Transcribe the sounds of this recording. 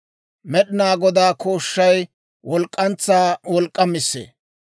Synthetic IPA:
mɛɗɪnaːɡɔd̪aːkoːʃːɐj | wɔlkʼːɐnt͡sːaːwɔlkʼːɐmɪsːḛː

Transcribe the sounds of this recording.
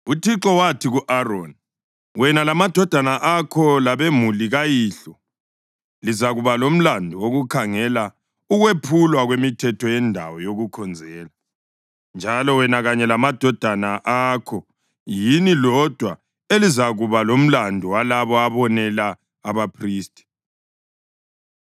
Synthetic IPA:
utʰiǁɔwatʰiɣuʔarɔn | wɛnalamad̥ʱɔd̥ʱanaʔakʰɔlaβemuliɣajiɬɔ | lizaɣuβalom̩landʱuwoɣukʰaŋɛla | uɣwepʰulwaɣwemitʰɛtʰɔjɛndʱa̰wɔjoɣukʰɔnd͡zʱɛːla | nd͡ʒʱalɔwɛnaɣaɲɛlamad̥ʱɔd̥ʱanaʔakʰɔ | jinilɔd̥ʱwa | elizaɣuβalom̩landʱuwalaβɔaβɔnɛlaː | βapʰriːstʼi̥

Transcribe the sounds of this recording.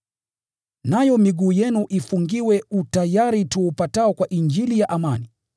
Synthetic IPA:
najɔmiɠuːjɛnuʔifuŋɡiwɛutajaɾituupataɔkwaʔind͡ʒilijaʔamani

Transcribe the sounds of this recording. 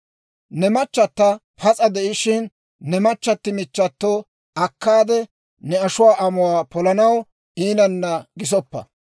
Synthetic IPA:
nɛmɐt͡ʃːɐt̪ːɐ | pʰɐt͡sʼɐd̪ɛʔɪʃɪnː | ɛmɐt͡ʃːɐt̪ːɪmɪt͡ʃːɐt̪ːoː | ʔɐkːaːd̪ɛ | nɛɐʃʊwaːʔɐmʊwaːpɔlɐnɐw | iːnɐnːɐɡɪs̬ɔpːɐ̰

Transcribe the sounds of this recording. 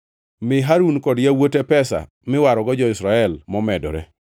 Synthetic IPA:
mɪɦaɾunkɔdjawotepɛsa̰ | mɪwaɾɔɡɔd͡ʒɔɪsɾaɛlmɔmɛdɔ̰ɾɛ̰

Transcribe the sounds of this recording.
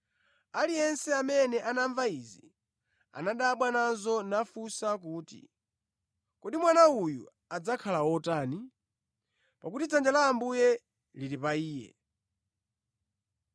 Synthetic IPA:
alijɛnsɛamɛnɛʔanaɱvaizi | a̰naɗaːɓwananzɔnafusak̬uːtḭ | kɔɗimwanaujṵ | ad͡zakʰalawɔtaːni | pakutit͡sʰand͡ʒalaːmbujɛ | liɾipaiːjɛ̰

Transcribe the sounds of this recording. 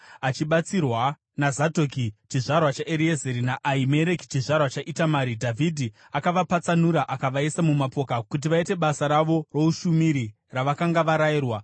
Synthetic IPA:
at͡ʃiɓat͡sirwa | nazadʱokit͡ʃiʐarwat͡ʃaʔeɾiezeɾinaʔaime̞ɾe̞ki̥t͡ʃiʐarwat͡ʃaʔitamaːɾidʱavʱidʱi | akaʋapat͡sanuɾaʔakaʋaisamumapo̞ːkakut̬iʋaite̞ɓasaɾaʋo̞ro̞uʃumiɾi | raʋakaŋɡaʋaɾaiːrwa

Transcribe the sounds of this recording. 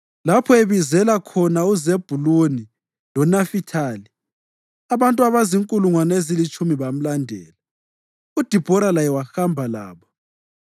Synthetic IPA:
lapʰɔeβizɛlakʰɔnauzeb̥ʱuloni | lɔnafitʰaːli | aβantʼuaβaziŋkʼuluŋwanezilit͡ʃʼumiβam̩landʱɛːla | ud̥ʱib̥ʱɔɾalajɛwaxambʱala̰ːβɔ

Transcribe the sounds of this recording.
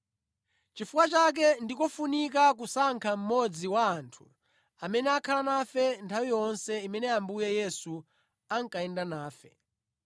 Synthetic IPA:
t͡ʃifukwat͡ʃak̬ɛndikɔfunikak̬usaŋkʰam̩mɔd͡ziwaːntʰu̥ | amɛnɛakʰalanafɛntʰawijɔnsɛimɛnɛambujɛjɛsu | aŋkaɛndanaːfɛ

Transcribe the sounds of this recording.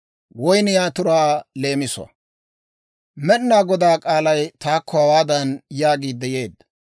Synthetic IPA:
wɔjnjaːt̪ʊɾaːle̞ːmɪsʊɐ̰ | mɛnːaːɡɔd̪aːkʼaːlɐjt̪aːkʰːɔhɐwaːd̪ɐnjaːɡiːd̪ːɛje̞ːd̪ːɐ

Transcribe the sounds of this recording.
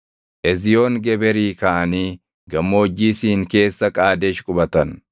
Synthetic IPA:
ʔɛzɪjo̞ːŋɡɛbɛɾiːkaʔɐniː | ɡɐmːo̞ːd͡ʒːiːsiːŋke̞ːsːɐkʼaːd̪eːʃkʼʊbɐt̪ɐn

